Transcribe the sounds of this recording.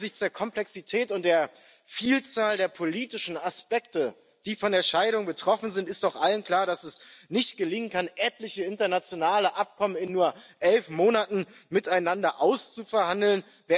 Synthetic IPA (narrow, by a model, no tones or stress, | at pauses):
zɪçt͡sd̥eːɐkʰɔmplɛksitʰɛːtʊnt̚d̥eːɐ | fiːlt͡saːldeːɐpʰoliːtɪʃn̩aspɛk̚tə | d̥iːfɔndeːɐʃaɪɾʊŋbətʁ̥ɔfn̩zɪntɪstaʊxʔalənkl̥aːɐɾasɛsnɪçt̚ɡ̥əlɪŋənkʰanʔɛtlɪçəɪntɐnat͡sjonaːləʔap̚kʰɔmənɪnːuːɐʔɛlfmoːnatn̩mɪtaɪnandɐʔaʊst͡sufɛɐhandl̩n | ve